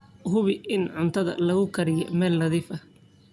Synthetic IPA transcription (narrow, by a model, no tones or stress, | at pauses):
ɦʊβɪʔɪnʕʊnt̪ʰɐðɐ̰lɐɣʊkʰɐɾɪjɛ̰mɛːlːɐðiːfɐ